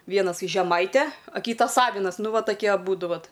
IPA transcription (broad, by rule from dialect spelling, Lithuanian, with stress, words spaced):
ˈʋʲiɛnɐs iː ʒʲɛˈmɐɪtʲæː ɐ ˈkʲiːtɐs ˈɑːʋʲɪnɐs ˈnʊ ˈʋɐ tɐˈkʲiɛ ɐˈbuːdʊ ˈʋɐt